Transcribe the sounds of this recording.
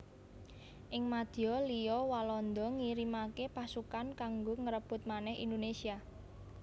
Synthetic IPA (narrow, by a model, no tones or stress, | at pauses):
ʔɪŋmad̪̥iɔlijɔwalɔnd̪ɔŋiɾimakepasukankaŋɡoŋəɾəb̥ʊ̤t̪̚manɛhḭnd̪onesia